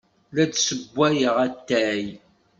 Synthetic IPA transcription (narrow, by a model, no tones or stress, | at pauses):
læt͡ssəbʷːæjəʁæt̪ːæj